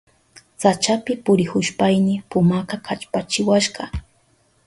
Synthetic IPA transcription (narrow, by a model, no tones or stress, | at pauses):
t͡sat͡ʃapɪpʊɾɪhʊʃpajnɪpʊmakɑkʰat͡ʃpat͡ʃɪwaʃɢɑ